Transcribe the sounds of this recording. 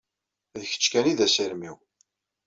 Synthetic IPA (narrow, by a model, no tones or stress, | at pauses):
jəçə̥t͡sːkæniðæsəɾmiw